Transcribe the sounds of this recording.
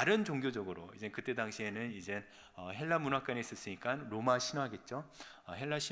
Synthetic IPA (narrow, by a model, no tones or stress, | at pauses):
aɾɯnt͡ɕoŋɡjod͡ʑʌɡɯɾo̰id͡ʑe̞kɯt͈e̞daŋɕʰie̞nɯnid͡ʑe̞ | ʌɦe̞ɭːamunwak͈aɲiis͈ʌs͈ɯɲik͈anɾomaɕʰinoɦaɡe̞t̚t͡ɕ͈oʌɦe̞ɭːaɕʰi